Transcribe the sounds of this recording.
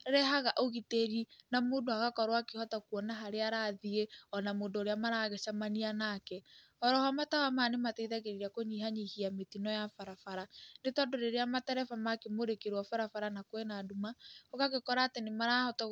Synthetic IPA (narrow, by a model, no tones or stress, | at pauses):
ɾɛɦaɣaʔoɣiteɾinamoːndoaɣakɔɾwakehɔtakuɔnaɦaɾeaɾaðieɔnamoːndoːɾeamaɾaɣɛʃamanianakɛ | ɔɾɔhamatawamaːnematɛiðaɣeɾiɾakoɲiɦaɲihiametinɔjafaɾafaɾanetɔdoɾeɾeamatɛɾɛfamakemoɾekeɾwɔfaɾafaɾanakwenadumaoɣaɣekɔɾaːtenemaɾahɔtɔ